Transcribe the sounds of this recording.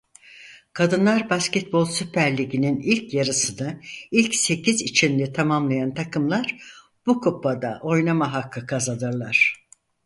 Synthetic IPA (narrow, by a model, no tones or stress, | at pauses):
kʰad̪ɯnlˠaɾbascɛt̪̚bo̞lˠsypʰæɾlʲiɟininilʲcjaɾɯsɯnɯilʲcse̞cizit͡ʃʰinlʲɛt̪ʰamamlˠajant̪ʰakʰɯmlˠaɾ̥ | b̥ukʰopːad̪a̰ʔo̞jnamaɦakʰːɯkʰazad̪ɯɾlˠaɾ̝̥